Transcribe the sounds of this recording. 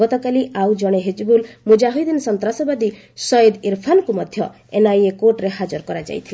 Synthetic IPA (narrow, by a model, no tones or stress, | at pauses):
ɔt̪ɔkaliʔawd͡ʒɔɽ̃eɦed͡ʒbulmud͡ʒaɦojd̪insɔnt̪ɾasɔbad̪i | sɔjed̪iɾpʰankumɔd̪ʱjɔ | enajekoʈɾeɦad͡ʒɔɾkɔɾad͡ʒa̰jt̪ʰile